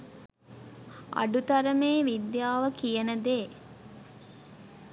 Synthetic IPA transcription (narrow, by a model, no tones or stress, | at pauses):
ɐ̰ɖut̪ɐɾəmeːʋid̪jaːʋəkijənəd̪eː